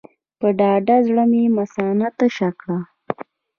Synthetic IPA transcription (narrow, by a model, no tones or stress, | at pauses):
pəɖɑɖazɽəmemasɑnat̪əʃakɽa